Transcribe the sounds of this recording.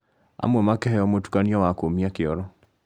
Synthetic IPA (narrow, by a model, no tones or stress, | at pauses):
a̰mwɛmakɛɦɛɔmwotu̥kaniɔwakomiakeɔɾɔ